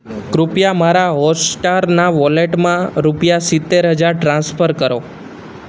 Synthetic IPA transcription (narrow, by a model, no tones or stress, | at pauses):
kɾupjamaɾaɦɔsʈaɾnaʋɔleʈmãɾupjasɪt̪ːeɾɦəd͡ʒaɾʈɾãnsfʰəɾkəɾo